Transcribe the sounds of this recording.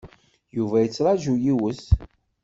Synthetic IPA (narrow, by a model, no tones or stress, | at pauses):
juvæjət͡sːɾˤɑʒujiwəs